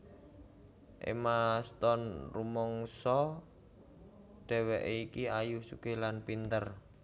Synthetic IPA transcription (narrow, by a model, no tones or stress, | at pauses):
ʔḛmast̪ɔnrumɔŋsɔ | ɖ̥ɛ̤wɛʔeikiajusuɡ̥e̤lanpint̪ər